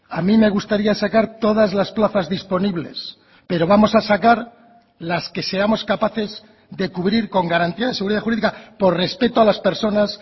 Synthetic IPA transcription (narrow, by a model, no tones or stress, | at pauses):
amĩme̞ɣ̞ust̪aɾiasakaɾt̪o̞ðazlasplaθazðispo̞niβle̞s | pe̞ɾo̞βamo̞sasakaɾ | laske̞se̞ɾamo̞skapaθe̞z | ðe̞kuβɾiɾko̞ŋɡaɾant̪iaðese̞ɣuɾiðaxuɾiðikapo̞ɾre̞spe̞t̪oalaspe̞ɾso̞nas